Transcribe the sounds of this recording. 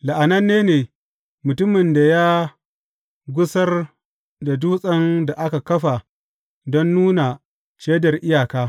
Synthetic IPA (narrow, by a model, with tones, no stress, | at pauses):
la˨ʔa˨nɐ˦nːeː˦neː˨ | mʊ˨tʊ˦mɪ˨nda˨jaː˦ | ɡʷʊ˦sɐ˦r | da˨du˦sʼɐ˦nda˨ʔa˦ka˨kɐ˦ɸa˨ | dɔ˦nːuː˦na˨ | t͡ʃeː˦dɐ˨rʔɪ˦jaː˨kaː˦